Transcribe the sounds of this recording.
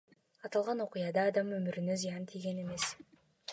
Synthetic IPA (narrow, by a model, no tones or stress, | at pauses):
ɑt̪ɑlˠʁɑno̞qujɑd̪ɑːd̪ɑmømyɾynø̞zijɑnt̪ʰijɡʲe̞ne̞me̞s